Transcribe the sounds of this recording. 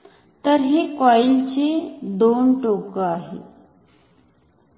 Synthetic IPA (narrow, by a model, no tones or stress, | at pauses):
t̪əɾɦiːkɔjlt͡ɕiːd̪onʈokəaɦḛ